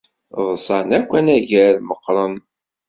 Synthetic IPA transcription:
ðˤsˤɑnækʷːænæʝæɾməqːɾˤən

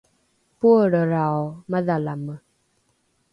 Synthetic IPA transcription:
puəɾəɾaɔməðalamə

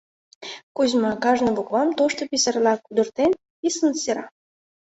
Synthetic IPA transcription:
kuzmɑkɑʒnə̆βokβɑmt̪oʃt̪ŏpisɑrlɑkud̪ə̆rt̪en | pisənseɾɑ̰

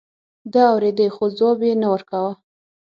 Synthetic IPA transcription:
d̪əawɾed̪əjxozobenawəɾkawə

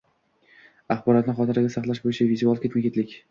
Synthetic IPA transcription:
aχbɒɾɒt̪nɪχɒt̪ɪɾɪɡʲasaχlˠaʃbojɪt͡ʃʰavizualˠkʲe̞t̪makʲet̪lɪkʲ

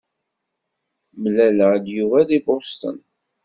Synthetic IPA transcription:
məlæləʕd̪juvælibost̪ə̰n

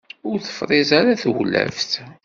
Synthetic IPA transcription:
ʊɾθə̥fɾˤɪzaɾaθwlːæ̰vθ

